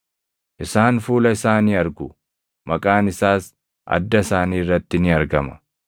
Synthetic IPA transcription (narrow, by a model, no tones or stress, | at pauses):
ʔɪsaːnfuːlɐɪsaːniːɐɾɡʊ | mɐkʼaːnɪsaːs | ʔɐ̰d̪ːɐsaːniːrːɐt̪ːɪnɪɐɾɡɐmɐ̥̰